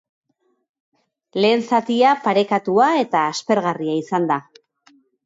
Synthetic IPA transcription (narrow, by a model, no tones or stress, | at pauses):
le̞ːnsat̪iapaɾe̞kat̪uae̞t̪aːspe̞ɾɣariaisand̪a